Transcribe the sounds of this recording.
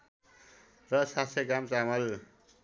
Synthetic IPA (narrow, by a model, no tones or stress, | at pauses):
rʌsasʰekamt͡samʌl